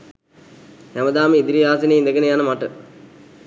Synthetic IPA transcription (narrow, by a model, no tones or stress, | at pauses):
hæməd̪aːməid̪iɾiaːs̬iniːind̪əɡənejanəmaʈə